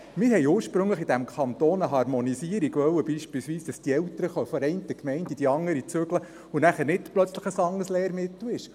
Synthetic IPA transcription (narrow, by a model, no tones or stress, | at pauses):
mɪɾɦɛɪjuːɾʃpɾɵŋləχid̥æmkʰɑnt̪oːnəɦɑrmɔnisiəɾiɡʋœwəb̥iːʃpilsʋiːsd̥ɑsd̥iɛwt̪əɾəχɔfəɾɛɪnt̪əkmɛɪntid̥iɑŋːəɾit͡sʏɡlə | ʊnæχənɪtplœt͡sləχəsɑŋːəslɛːɾmɪtlwɪʃ